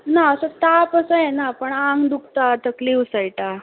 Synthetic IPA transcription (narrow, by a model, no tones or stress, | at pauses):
naəsət̪apəsəjenapəɳãŋɡd̪uk̚t̪at̪əkliːfsəjʈ̪a